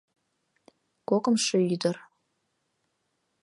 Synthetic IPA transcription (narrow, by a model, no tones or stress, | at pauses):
kokə̆mʃeyd̪ər